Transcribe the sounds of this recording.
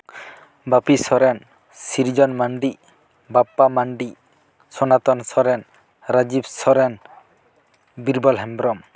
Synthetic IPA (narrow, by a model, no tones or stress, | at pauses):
bapisɔɾɛn | siɾd͡ʒɔnmaɳɖi | bapːamaɳɖi | sɔnat̪ɔnsɔɾɛn | ɾad͡ʒibsɔɾɛn | biɾbɔlɦɛmbɾɔm